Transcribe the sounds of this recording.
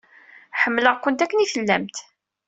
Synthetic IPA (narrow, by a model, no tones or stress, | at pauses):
ħəmːləʁkːʊnt̪ækːəniθəlːæmt̪